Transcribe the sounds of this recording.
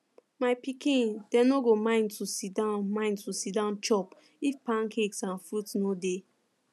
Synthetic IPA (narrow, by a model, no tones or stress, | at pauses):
maɪpikĩndɛnoɡomãɪ̃ntʰusidãnmãɪ̃ntusidãʊ̃nt͡ʃɔp | ifpãnkʰeksãnfɾutnode